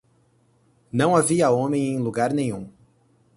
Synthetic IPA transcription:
nɐ̃w̃aviɐõmẽj̃ẽj̃luɡaɾnẽɲ̃ũ

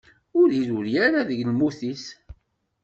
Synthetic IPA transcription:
ʊɾiðuɾjaɾaðəʝlmuθis

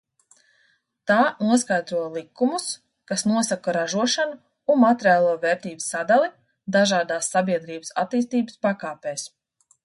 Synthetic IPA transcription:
t̪aːnuɔskajd̪ɾuɔjlˠikumus | kasnuɔsakɐɾaʒuɔʃanu | unmat̪ɛɾijaːlˠuɔvɛːɾt̪iːbɨsad̪alˠi | d̪aʒaːd̪aːsːabʲiɛd̪ɾiːbəsa̰t̪ːiːst̪iːbəspakaːpɛːs

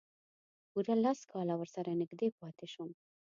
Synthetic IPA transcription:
uɾalaskɑlawəɾsaɾanɪɡd̪epɑt̪eʃum

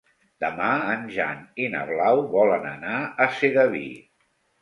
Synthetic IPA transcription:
d̪əmaənʒa̰nina̰βlawβɔlənənaəseɣəβḭ

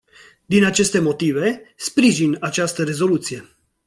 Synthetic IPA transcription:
d̪inat͡ʃe̞st̪e̞mo̞t̪ive̞spɾiʒinat͡ʃast̪əɾe̞zo̞lut̪sije̞

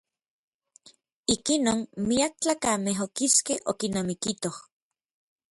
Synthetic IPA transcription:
ikinoːnmiak̚t͡ɬaːkameɦokiskeho̰kinamikit̪oh

